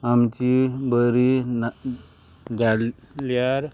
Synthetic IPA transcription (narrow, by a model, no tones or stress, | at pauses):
amt͡ʃibəɾin | d͡ʒal | liaɾ